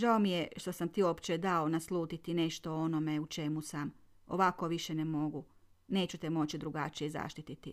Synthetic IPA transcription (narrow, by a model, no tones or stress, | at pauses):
ʒaomijeʃt̪o̞samt̪io̞pt͡ʃed̪ao̞naslˠuːt̪it̪ineʃt̪o̞ono̞meut͡ʃe̞musam | o̰ʋako̞ʋiʃenemo̞ɡu | ne̞ːt͡ɕut̪emo̞t͡ɕid̪ɾuɡat͡ʃijeza̰ʃt̪it̪it̪i